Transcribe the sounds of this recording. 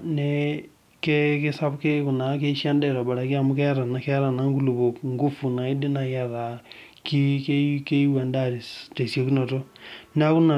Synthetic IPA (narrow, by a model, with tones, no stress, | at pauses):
ne | kɛ˦kɪ˦sa˦bke˦kʊ˨na˨˦ke˦ʃja˦ndɛ˦˨ɾa˨ba˨ɾa˨˦kɪ˦a˨mʊ˦kɛ˦ɾa˨na˨kɛ˦ɾa˨na˦ŋɡu˦lu˨bo˨kŋɡu˦fu˨na˨ɪ˦dɪ˦na˨ja˨ɾa˨ | ki˦ke˦ke˦i˦wa˨nda˦ɾɪ˨ste˨sjo˨ku˦nɔ˨to˦nɪ˦a˦kʊ˦na˨